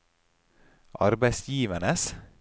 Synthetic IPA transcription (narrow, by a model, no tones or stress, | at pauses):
ʔɑ̰ɾbæɪsjiːʋənəs